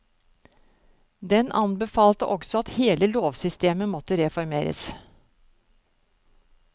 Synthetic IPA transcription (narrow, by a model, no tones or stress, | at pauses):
d̪ɛnʔɑ̰nbəfɑːlt̪əʔɔksɔɑt̪heːləloːʋsʏst̪eːməmɔt̪əɾɛfɔɾmeːɾə̰s